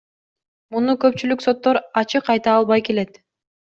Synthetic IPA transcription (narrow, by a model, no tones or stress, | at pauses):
munukø̞pt͡ʃylykso̞t̪ːoɾɑt͡ʃɯqɑjt̪ɑːlˠβɑjke̞le̞t̪